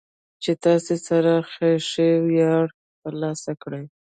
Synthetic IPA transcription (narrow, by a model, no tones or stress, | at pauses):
t͡ʃet̪ɑsesaɾaxeʂewjɑɽ | t̪əɾlɑsakɽəj